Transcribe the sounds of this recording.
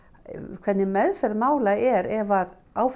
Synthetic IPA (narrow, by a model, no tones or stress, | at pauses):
kʰvɛt̪nɪmɛðfɛɾðmaːwlaɛɾɛvað | aːwf